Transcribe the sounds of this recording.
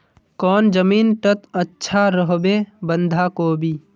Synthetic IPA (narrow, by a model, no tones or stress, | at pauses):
kɔːnd͡ʒəmiːnʈət̪ətːʃʰaɾəɦbebə̃nd̪ʱakoːbʱiː